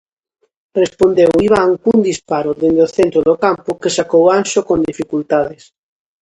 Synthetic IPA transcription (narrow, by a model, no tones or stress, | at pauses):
respond̪ewiβ̞aŋkund̪ispaɾoðend̪oθent̪ɾoðokampokesakowanʃokõnd̪ifikult̪aðes